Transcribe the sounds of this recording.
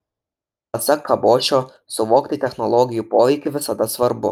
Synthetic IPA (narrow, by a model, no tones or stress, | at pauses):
ɐt̪sʲɛkʰːɐbɔːt͡ʃʲɔ | sʊʋɔːkt̪ʲɪt̪ʲɛxnɔlˠɔɡʲɪjupɔːʋʲikʲɪʋɪsɐd̪asʋɐɾbʊ̰